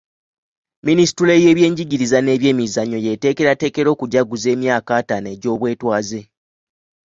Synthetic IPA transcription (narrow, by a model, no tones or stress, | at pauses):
minisi̥tule̞je̞ːβje̞ːɲɟiɟiɾizane̞ːβje̞ːmizaɲːo̞je̞te̞ːke̞ɾate̞ːke̞ɾo̞ːkuɟaɡuze̞ːmjaːkaːtane̞ːɟo̞ːβwe̞ːtwaːze̞